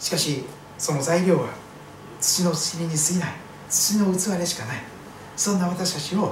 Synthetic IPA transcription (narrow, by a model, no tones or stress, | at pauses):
ɕi̥kaɕi | so̞no̞zaiɾʲo̞ːβa | t͡sɨ̥t͡ɕino̞t͡sɨ̥kʲiɾʲiɲ̟isɨinai | t͡sɨ̥t͡ɕino̞ɯ̟t͡sɨβaɾeɕi̥kanai | sõ̞nːaβat̪aɕi̥t̪at͡ɕio̞